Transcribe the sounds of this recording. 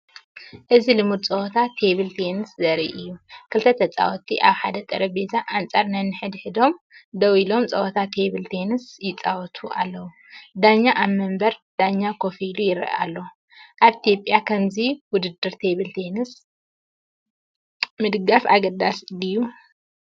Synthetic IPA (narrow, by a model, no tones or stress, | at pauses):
ʔɨzilɨmud̪t͡sʼɐwɔt̪ʰat̪ʰe̞βɨlt̪ʰenɨszɐɾḭʔɨjːukʰɨlt̪ʰɐt̪ʰɐt͡sʼa̰wɔt̪ʰiʔaβħad̪ɐt̪ʼɐɾɐbezʰaʔant͡sʼaɾnɐnːɨħɨd̪ħɨd̪o̞m | d̪ɐwilo̞mt͡sʼɐwɔt̪ʰat̪ʰeβɨlt̪ʰenɨsjɪt͡sʼawɔt̪ʰuʔa̰lːɐwu | d̪aɲːaʔaβmɐmbɐɾd̪̥aɲːakʰofilujɪɾʔa̰lːo | ʔaβit̪ʰjopʼjakʰɐmziwʊd̪ɨd̪ɨɾt̪ʰe̞βɨlt̪ʰenɨs | mɨd̪ɨɡafa̰ɡɐd̪asdɨjːu